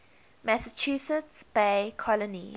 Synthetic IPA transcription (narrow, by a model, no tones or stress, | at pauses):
mæsət͡ʃʰusətsb̥ekʰɔlɔnḭ